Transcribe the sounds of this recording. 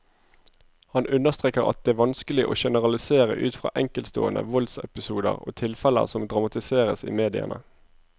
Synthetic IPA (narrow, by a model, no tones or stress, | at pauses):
hɑnʔʉnəʁst̪ʁeːkəʁɑ̰t̪̚d̪ɛːæʋɑnskəlɪʔoːʃɛnəʁɑlɪseːʁəʔʉːt̪fʁɑ̰ːʔɛŋkəlt̪st̪o̰ːənəʋɔlsɛpɪsuːd̪əʁo̰ːt̪ʰɪlfɛlə̰sɔmd̪ʁɑmɑt̪ɪseːʁəsḭːmeːd̪ɪə̰nə